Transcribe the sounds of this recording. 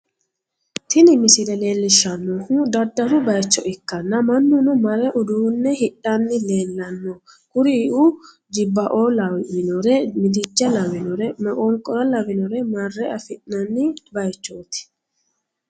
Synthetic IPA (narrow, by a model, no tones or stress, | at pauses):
t̪ʰɪnɪmɪsɪlɛle̞ːlːɪʃːɐnːɔhud̪ɐd̪ːɐɾʊbɐjt͡ʃːɔʔɪkːɐnːɐmɐnːʊnɔmɐrɛʔʊd̪uːnːɛhɪᶑɐnːɪle̞ːlːɐnːɔ | kʊɾɪʔu | d͡ʒɪbːɐʔoːlɐwɪnɔɾɛmɪd̪ɪd͡ʒːɐlɐwɪnɔɾɛmɛkʼɔŋkʼɔɾɐlɐwɪnɔɾɛmɐrːɛɐfɪʔnɐnːɪbɐjt͡ʃːoːt̪ɪ̥